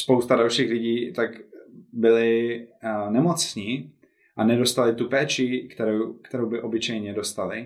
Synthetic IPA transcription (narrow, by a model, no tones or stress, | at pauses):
spowst̪adalʃiːxlɪɟiːt̪akbɪlɪ | nɛmot͡sɲi | ʔanɛdo̞st̪alɪt̪upɛːt͡ʃɪkt̪ɛɾowkt̪ɛɾowbɪʔo̞bɪt͡ʃɛjɲɛdo̞st̪alɪ